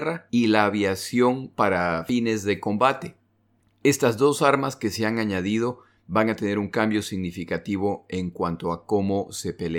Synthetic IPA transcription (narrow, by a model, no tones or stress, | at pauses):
railaːβjasjo̞ŋpaɾafine̞zðe̞ko̞mbat̪e̞ | e̞st̪azðo̞saɾmaske̞seaŋaɲaðið̞o̞ | βaŋat̪ene̞ɾuŋkambjo̞siɣnifikat̪iβ̞o̞e̞ŋkwant̪o̞ako̞mo̞se̞pele